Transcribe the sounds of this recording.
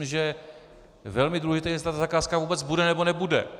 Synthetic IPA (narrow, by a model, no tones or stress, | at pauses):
ʒɛ | vɛlmɪduːlɛʒɪt̪ɛjɛs̬t̪at̪ozakaːskavuːbɛt͡sbudɛnɛbonɛbudɛ̰